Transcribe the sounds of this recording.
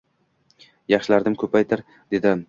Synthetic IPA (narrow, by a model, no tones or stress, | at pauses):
jɑχʃɪlaɾd̪ɪmkʰɵpajt̪ʰaɾ | d̪e̞d̪ɪ